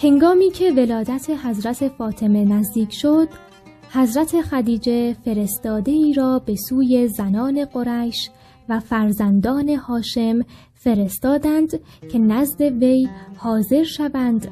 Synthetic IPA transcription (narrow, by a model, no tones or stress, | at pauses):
he̞ŋɡɒːmiːcʰe̞ve̞lɒːd̪æt̪ʰe̞ɦæzɾæt̪ʰe̞fɒːt̪ʰe̞me̞næzd̪iːkʰʃo̞d̪̥ | hæzɾæt̪ʰe̞xæd̪iːd͡ʒe̞fe̞ɾe̞st̪ɒːd̪e̞iːɾɒːbe̞suːje̞zænɒːne̞ɡo̞ɾæʃ | væfæɾzænd̪ɒːne̞hɒːʃe̞m | fe̞ɾe̞st̪ɒːd̪ænd̪cʰe̞næzd̪e̞ve̞jhɒːze̞ɾʃævænd̪̥